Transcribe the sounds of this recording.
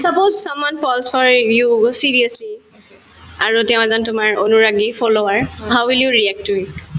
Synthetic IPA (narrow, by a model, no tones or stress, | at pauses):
sʌpozsɔmwanpɔlsfɔɹjusiɹiəsli | aɹutɛʊ̃ɛzɔntʊmaɹonuɹaɡifʰɔloaɹɦawwiljuɹiɛk̚tuit